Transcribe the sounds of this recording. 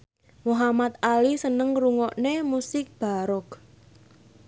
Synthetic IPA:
muɦamat̪alisənəŋɾuŋɔʔnemusɪk̚b̥a̤ɾɔk

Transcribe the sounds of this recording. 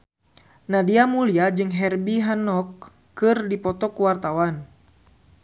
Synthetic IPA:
nadiamuliad͡ʒɨŋɦɛrbiɦanɔkː | ɨrdipɔt̪ɔkuwart̪awan

